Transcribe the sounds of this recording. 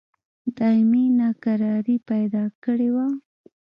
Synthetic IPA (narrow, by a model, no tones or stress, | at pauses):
d̪ɑminɑkaɾɑɾipajd̪ɑkəɽewa